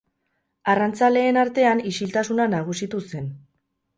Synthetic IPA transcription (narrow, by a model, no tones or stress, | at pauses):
arant͡sale̞ːnaɾt̪e̞anisilt̪asunanaɣ̞usit̪use̞n